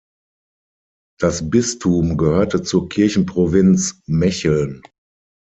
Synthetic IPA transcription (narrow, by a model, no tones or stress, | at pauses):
d̥asbɪstʰuːmɡəhøːɐtət͡suːɐkʰɪɐçn̩pʁ̥ovɪnt͡smɛçl̩n